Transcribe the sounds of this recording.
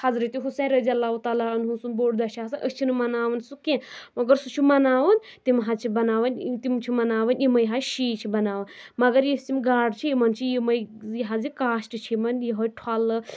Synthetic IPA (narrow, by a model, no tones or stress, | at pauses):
hɐzɾɐt̪iɦusẽːnɾɐdijɐlːaːɦut̪aːlaɐnɦusunboːɽd̪ɐʃasɨʔəsʲt͡ʃʰinɨmɐnaːʋɐnsukẽmɐɡɐɾsut͡ʃʰumɐnaːʋɐnt̪imɦat͡ʃʰibɐnaːʋɐnt̪imt͡ʃʰimɐnaːʋɐnʲimɐjɦaʃiːt͡ʃʰibɐnaːʋɐn | mɐɡɐɾjisimɡaːɖt͡ʃʰijimɐnt͡ʃʰijimɐjiɦazikaːʃʈɨt͡ʃʰimɐnjiɦojʈʰwalɨ